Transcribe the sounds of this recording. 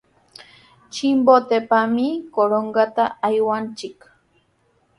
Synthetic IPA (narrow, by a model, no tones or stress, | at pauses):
t͡ʃimbot̪epamikoɾoŋɡat̪aːjwant͡ʃɪk